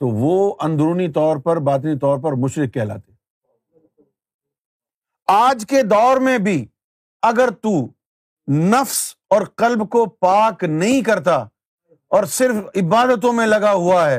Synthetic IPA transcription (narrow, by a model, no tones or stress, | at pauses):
t̪oʋoɐ̃nd̪ɾuːnit̪ɔːɾpɐɾbaːt̪̬nit̪ɔːɾpɐɾmʊʃɾɪkːɛɦla̰ːt̪e | aːd͡ʒked̪ɔːɾmẽbʱi | ɐɡəɾt̪uː | nɐfsɔːɾqɐlbkopaːknɐɦĩkɐɾt̪a | ɔːɾsɪɾfɪbaːd̪ət̪̬õmẽlɐɡaɦuaɦɛː